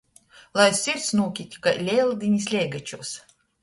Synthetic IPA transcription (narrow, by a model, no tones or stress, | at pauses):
lˠajsʲiɾt̪snuːkʲit̪ʲkalʲɛːlˠd̪ʲinʲisʲlʲɛːɡat͡ʃuːs